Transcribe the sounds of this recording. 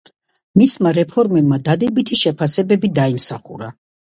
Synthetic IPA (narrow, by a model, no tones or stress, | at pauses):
mismaɾɛpʰɔɾmɛbmad̪ad̪ɛbit̪ʰiʃɛpʰasɛbɛbid̪aimsaχṵɾa